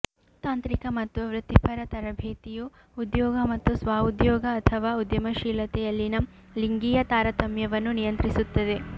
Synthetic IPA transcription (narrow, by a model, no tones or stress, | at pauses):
t̪aːnt̪ɾikɐmɐt̪ːuʋɾɨt̪ipʰɐɾɐt̪ɐɾɐbʱeːt̪ijuː | d̪jɔːɡɐmɐt̪ːusʋaːud̪jɔːɡɐːt̪ʰɐʋaːud̪jɐmɐʃiːlɐt̪ɛjɐlːinɐ | liŋɡijɐt̪aːɾɐt̪ɐmjɐʋɐnːunijɐnt̪ɾisut̪ːɐd̪e̞